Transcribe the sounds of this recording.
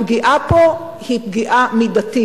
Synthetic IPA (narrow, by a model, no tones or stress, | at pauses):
ɡiʔapo | hip̚ɡiʔamid̪at̪i